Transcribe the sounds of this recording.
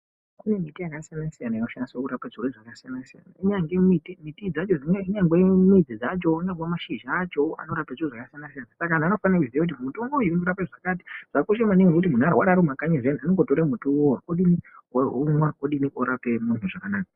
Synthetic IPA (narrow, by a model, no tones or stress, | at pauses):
kune̞mitijakasijanasijanajinoʃanisokuɾapaʐirweʐakasijanasija̰na̰iɲaŋɡemitimitid͡zat͡ʃod͡zineɲaŋɡwe̞mid͡zid͡zat͡ʃo̞ɲaŋɡwamaʃiʒat͡ʃo̞a̰no̞ɾapaʐioʐakasijanasijanasakanaːno̞fanakuziakut̬imutoŋɡojuinoɾapeʐakat̬i̥ʐ̥akuʃemaniŋɡekut̬imun̤aɾawaɾaɾomakaɲeʐenianoŋɡotoɾemutuoakoɗiniaumwakoɗiniʔoɾapemun̤uʐakanaːka